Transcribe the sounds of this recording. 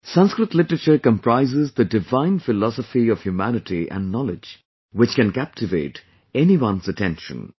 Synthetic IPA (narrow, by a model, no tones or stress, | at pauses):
sʌ̃nskɾɪtˡlɪʈəɾət͡ʃəɾkə̃mpɾaɪzɪzd̪ədɪvãɪ̃nfɪlɔsəfiʌv̥hjumænɨʈiʔæ̰̃nɖːɔlɪd͡ʒ | wɪt͡ʃkɨ̃nkæp̚tʰɨveɪʈ | ɛniwʌ̃nzətʰɛ̃nʃə̰̃n